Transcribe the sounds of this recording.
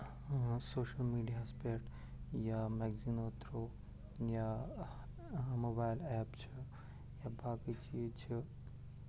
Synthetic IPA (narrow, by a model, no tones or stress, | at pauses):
soːʃɐlmiːɖijaspeʈ | jameɡzinoːt̪ɾo | ja | mobaːjlɛːpt͡ʃʰi | jabaːkit͡ʃiːzt͡ʃʰi